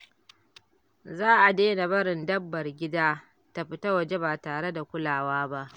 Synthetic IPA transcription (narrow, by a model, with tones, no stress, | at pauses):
zaː˦ʔa˨deː˦na˨bɐ˦ɽɪ˨ndɐ˦bːɐ˨rɡʲɪ˦daː˦ | ta˨ɸɪ˦ta˦wɐ˨d͡ʒe˦baː˨taː˨ɽe˦da˨kʷʊ˦laː˨waː˦ba˦ʔ